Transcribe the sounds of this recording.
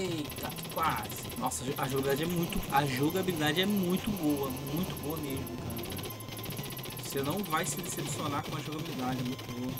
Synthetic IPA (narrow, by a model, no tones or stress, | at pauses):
et̪a | kwazɪnɔsɐʒoʔɐʒoɣɡabid̪ad͡ʒɪɛmũj̃t̪ʊɐʒoɡabilid̪ad͡ʒɪɛmũj̃t̪ʊbowɐmũj̃t̪ʊboɐmeʒmʊkaka | vosenɐ̃w̃vajsɪd̪esepsionaɾkõɐʒoɡabilid̪ad͡ʒɪɛmũj̃t̪ʊbowɐ